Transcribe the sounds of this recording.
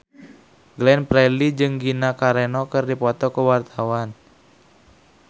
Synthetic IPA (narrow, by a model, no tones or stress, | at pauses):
ɡlɛnpɾɛlid͡ʒɨŋɡinakaɾɛnɔkɨrdipɔt̪ɔkəwart̪ʰawan